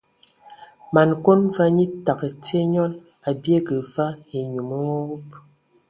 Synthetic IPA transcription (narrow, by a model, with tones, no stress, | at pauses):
ma˨n˨ko˦nva˦ɲi˦ta˨kə˨te˦ɲɔ˦l | a˨bje˦kə˨va˦e˨ɲu˨mə˦wɔ˦wu˦p